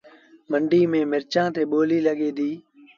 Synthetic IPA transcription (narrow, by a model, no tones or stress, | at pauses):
məɳɖiːmẽːmɪɾt͡ʃãːt̪eːɓoːliːləɠeːd̪iː